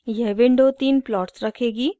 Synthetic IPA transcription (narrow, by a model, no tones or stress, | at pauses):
jɛɦʋɪ̃ɳɖot̪iːnplɔːʈsɾɐkʰeːɡiː